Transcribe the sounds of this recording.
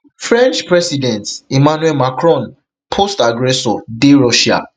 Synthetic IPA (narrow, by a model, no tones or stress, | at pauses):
fɹɛ̃nt͡ʃpɹɛsidɛ̃ntimanuɛlmakɹɔ̃n | pʰostaɡɹɛsɔdeɹɔʃia̰